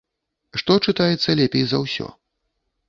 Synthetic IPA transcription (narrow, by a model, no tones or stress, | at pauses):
ʂt̪ɔt͡ʂɨt̪ajɛt̪sːɐlʲɛpʲejzɐwsʲɔ̰